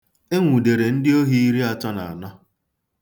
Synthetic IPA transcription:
e˦ŋʷu˨de˨ɾe˨n̩˦dɪ˦o˦ɦi˦i˦ɾi˦a˨t͡ʃɔ˦na̰˨a˨nɔ˦

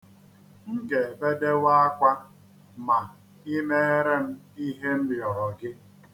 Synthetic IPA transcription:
ŋ̩˦ɡe˨be˦de˦wa˦a˦kʷa˦ | ma˨ | i˦me˦e˦ɾe˦m̩˦ | i˦ɦe˦m̩˦bɪ˨ɔ˨ɾɔ˨ɡɪ˦

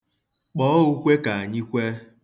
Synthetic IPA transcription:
k͡pɔ˦ɔ˦u˦kʷe˦ka˨a˨ɲɪ˦kʷe˦

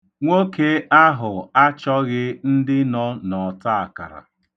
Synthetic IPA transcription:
ŋʷo˦ke˦a˦ɦʊ˨a˦t͡ʃɔ˦ɣɪ˦n̩˦dɪ˦nɔ˦nɔ˨ta˦a˨ka̰˨ɾa̰˨

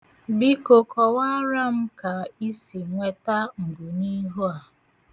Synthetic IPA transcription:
bi˦ko˨kɔ˨wa˦ɾa˦m̩˦ka˨i˦si˨ŋʷe˦ta˦ŋ̩˨ɡu˨ni˦ɦo˦a˨

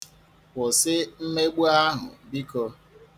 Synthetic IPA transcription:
wɔ˨sɪ˦m̩˦me˦ɡ͡bu˦a˦ɦʊ̰˨bi˦kɔ˧

